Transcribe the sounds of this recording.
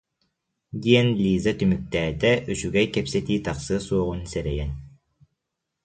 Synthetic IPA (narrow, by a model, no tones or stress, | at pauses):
d̪ʲijɛnlʲiːzat̪ymyk̚t̪æːd̪ɛʔyt͡ʃyɡɛjkɛpsɛt̪iːt̪aqsɯsuɔʁunsɛɾɛjɛn